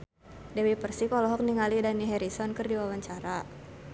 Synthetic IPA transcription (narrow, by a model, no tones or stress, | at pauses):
dewipərsikɔlɔɦɔk̚niŋalidaniɦɛɾisɔnkɨrdiwawaɲt͡ʃaɾa